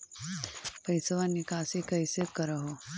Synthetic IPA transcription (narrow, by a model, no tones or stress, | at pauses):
pəjsəʋanːikasikəjsekəɾaɦo